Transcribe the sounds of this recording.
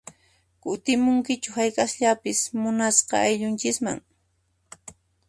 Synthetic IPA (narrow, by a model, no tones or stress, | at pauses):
kʊt̪ɪmʊŋkɪt͡ʃʊhajkʼasʎapɪsmʊnasqɑ̰ajʎʊnt͡ʃɪkma̰ŋ